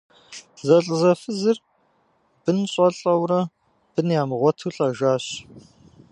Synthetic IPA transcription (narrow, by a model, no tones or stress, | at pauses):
zɐɬʼzɐfɨzɨr | b̥ɨnɕʼɐɬʼɐwrɐ | b̥ɨnjaːmʁʷɔtʰuːɬʼɐʒaːɕ